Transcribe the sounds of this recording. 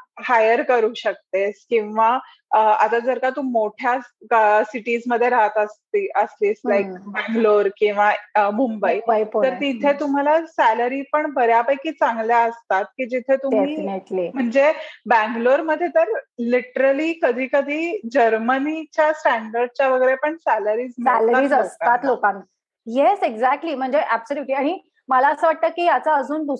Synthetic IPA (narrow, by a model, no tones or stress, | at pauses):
hajəɾkəɾuːɕək̚t̪eskĩw̃ʋa | at̪ad͡zəɾkat̪uːmoʈʰja | siʈiːd͡zməd̪ʱːjeɾaɦət̪əst̪iʔəsliːslajk̚bæ̃ŋɡloɾkĩw̃ʋamumbait̪əɾt̪it̪ʰet̪um̤alasæləɾiːpəɳbəɾjapajkiːt͡sãŋɡljaəst̪at̪̚kiːd͡ʑit̪ʰet̪ueminelim̤əɳd͡zebæ̃ŋɡloɾməd̪ʱːjet̪əɾliʈəɾəliːkəd̪ʱiːkəd̪ʱiːd͡ʑəɾmənit͡ɕjasʈæ̃ɳɖəɾɖ̚t͡ɕjaʋəɡəɾepəɳsæləɾiːd͡znəɛləaɾiːd͡zəst̪at̪lokãn | jeseɡd͡zæk̚ʈliːm̤əɳd͡zeʔæbsəljuʈliaɽ̃i | məlaəsəːʋaʈ̚t̪əːkiːjat͡saəd͡zuːnd̪u